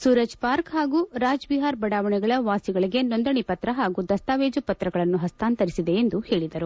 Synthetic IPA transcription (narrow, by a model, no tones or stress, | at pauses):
suːɾɐd͡ʒpaːɾkɦaːɡuɾaːd͡ʒbiɦaːɾbɐɽaːʋɐɳɛɡɐɭɐʋaːsiɡɐɭiɡe̞nond̪ɐɳipɐt̪ɾɐɦaːɡud̪ɐst̪aːʋeːd͡ʒupɐt̪ɾɐɡɐɭɐnːuɦɐst̪aːnt̪ɐɾisid̪e̞ːnd̪uhe̞ːɭid̪ɐɾu